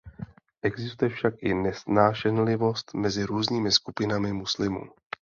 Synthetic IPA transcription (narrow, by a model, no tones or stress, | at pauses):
ʔɛɡzɪst̪ujɛfʃakʔɪnɛsnaːʃɛnlɪvo̞st̪mɛzɪɾuːzɲiːmɪskupɪnamɪmuslɪmṵː